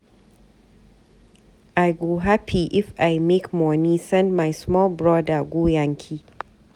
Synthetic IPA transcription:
ʔajɡoɦapʰiʔɪfʔajmekmɔnisɛ̃ndmajsmɔlbɹɔdaɡʷoːjaŋkʲʰi

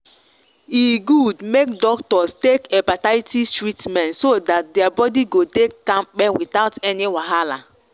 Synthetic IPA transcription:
iɡudmek̚dɔktɔstekɛ̃pataɪtʰistɹitmɛ̃ntsodat̚dɛabɔdiɡodekːãmbɛ̃witaʊtɛniwaɦala

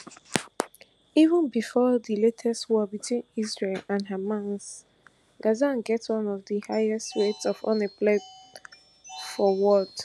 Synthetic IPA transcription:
ivə̃nbifɔðiletʰɛstwɔbitʰwĩnizɹelãnɦəmãnz̥ | ɡ̥azãnɡɛtwʌ̃nɔvðəhaɪɛstwetsɔvɔ̰̃nəpled | fɔwɔd

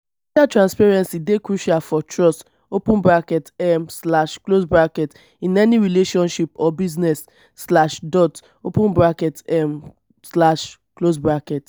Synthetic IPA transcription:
it͡ʃatɹãnspɛɹɛ̃nsidekɹuʃalfɔtʰɹɔst | opũnbɹakɛtɛmslaʃklosbɹakɛt | ĩnɛniɹileʃɔ̃nʃipɔbiznɛsː | laʃdɔt | opũnbɹakɛtɛm | slaʃ | klosbɹakɛt

